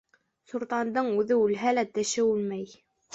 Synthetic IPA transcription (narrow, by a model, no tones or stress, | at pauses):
suɾt̪ɑnd̪ɤɴʉðɘʉlɦælæt̪ɘ̆ʃɘʉlmæj